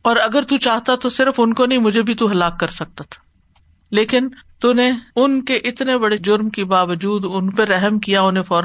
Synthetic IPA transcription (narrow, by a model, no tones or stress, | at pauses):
ɔːɾɐɡəɾt̪ut͡ʃaːɦt̪at̪osɪɾəfʊnkonɐɦĩmʊd͡ʒʱebʱit̪uɦɐlaːkːɐɾsɐk̚t̪at̪ʰḁ | leːkɪnt̪uneʊnkeʔɪt̪nebɐɽed͡ʒʊɾmkibaːʋəd͡ʒuːd̪ʊnpeɾɛɦəmkijaʊnefɔːɾ